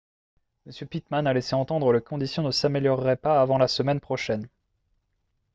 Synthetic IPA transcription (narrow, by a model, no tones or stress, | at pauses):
məsjøpit̪manaleseɑ̃t̪ɑ̃d̪ʁəlekɔ̃d̪isjɔ̃nəsameljɔʁːɛpaːvɑ̃lasəmɛnpχɔʃɛn